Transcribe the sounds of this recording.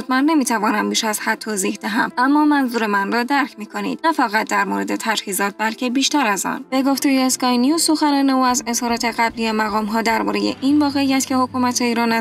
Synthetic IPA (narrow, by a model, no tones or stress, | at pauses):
ut̪mænːe̞miːt̪ʰævɒːnæmbiːʃæz̥hæd̪̚t̪ʰːoːziːhd̪æɦæmʔæmːɒːmænzuːɾe̞mænrɒːd̪æɾcʰmiːkʰo̞nḭːd̪̥næfæɣæt̪̚d̪æɾmoːɾe̞d̪e̞t̪ʰæd͡ʒhiːzɒːt̪̚bælcʰe̞biːʃt̪æɾæzɒ̰ːnb̥e̞ɡo̞ft̪ejeeskɒːjnijuzso̞xænɒːne̞uæze̞z̥hɒːɾɒːt̪ʰe̞ɣæblijemæɣɒːmɦɒːd̪æɾbɒ̰ːɾe̞jḛʔinvɒːɣe̞ijæt̪cʲʰe̞hokʰuːmæt̪ʰeiːɾɒːnæ